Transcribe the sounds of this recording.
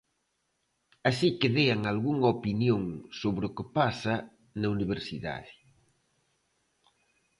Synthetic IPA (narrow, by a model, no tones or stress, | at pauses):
asikɪðeɐŋalɣuŋɐopinjoŋsoβɾɪʊkɪpasɐ | nɐuniβ̞eɾsiða̰ðɪ